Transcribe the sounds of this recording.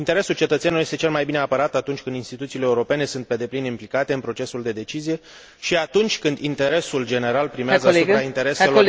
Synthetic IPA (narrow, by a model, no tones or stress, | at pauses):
int̪e̞ɾe̞sult͡ʃe̞t̪ət̪seenuljest̪t͡ʃe̞lmajbineapəɾat̪at̪unt͡ʃʲkɨnd̪inst̪it̪ut̪siːleːuɾo̞pe̞ne̞sunt̪̚pe̞d̪e̞plinimplikat̪e̞ɨnpɾo̞t͡ʃe̞suld̪e̞d̪e̞t͡ʃizije̞ | ʃiat̪unt͡ʃʲkɨnd̪int̪e̞ɾe̞suld͡ʒe̞ne̞ɾalpɾimeazəasupɾaint̪e̞ɾe̞selo